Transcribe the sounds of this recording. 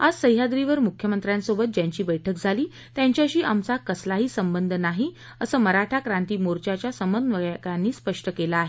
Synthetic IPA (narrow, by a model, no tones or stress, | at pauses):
ad͡zsəɦjɦad̪ɾiʋəɾmukʰjəmənt̪ɾjãnsobət̪̚d͡ʑaɲt͡ɕiːbəjʈʰək̚d͡zʱaliː | t̪jaɲt͡ɕjaɕiːʔamt͡sakəslaɦiːsəmbənd̪ʱənaɦi | əsəːməɾaʈʰakɾãnt̪iːmoɾt͡ɕat͡ɕjasəmənʋəɡɭkanːiːspəʂʈəkelaːɦe